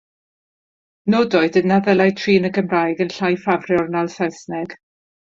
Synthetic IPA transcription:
noːdɔɨdənnːaðəlˠajtʰriːnəɡəmrajɡənɬajfavrjɔrnalˠsasnɛɡ̥

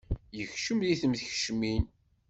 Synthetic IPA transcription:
jəçʃəmðiθəmðəç̥ʃmin

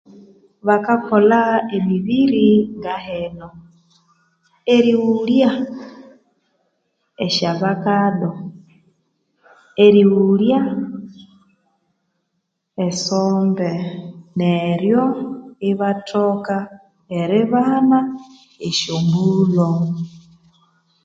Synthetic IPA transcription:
βakakolaemiβiɾiŋɡaheno | eɾiwulja | eʃaβakado | eɾiwwulja | esoːmbeneɾjoiβatʰoka | eɾɪβana | eʃombulo

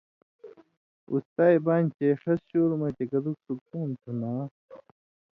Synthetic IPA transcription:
ṵst̪aːjbaːnʲt͡ɕeʂɐsɕoːɾmɐt͡ɕekɐd̪uksuk̚t̪uːnt̪ʰunaː

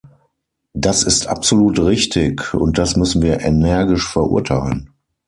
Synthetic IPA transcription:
d̥asɪstʔa̰pz̥oluːtʁɪçtʰɪkʊ̰nt̚d̥asmʏsn̩viːɐʔenɛɐɡɪʃfɛɐʔʊ̰ɐtʰaɪlən

